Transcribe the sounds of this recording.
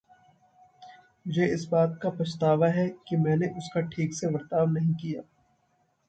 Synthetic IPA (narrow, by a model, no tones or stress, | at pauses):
mʊd͡ʒeɪsbaːt̪̚kapɐʃt̪aːʋaɦɛkimɛ̃ːneʔʊskaʈʰiːkseʋɐɾt̪aːbnɐɦĩkijaː